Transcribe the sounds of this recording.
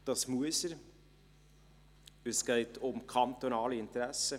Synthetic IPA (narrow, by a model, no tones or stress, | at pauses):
d̥ɑsmuəsəɾ | əsɡ̥ɛɪtʰʊmkʰɑnt̪onɑːliɪnt̪ɾæsə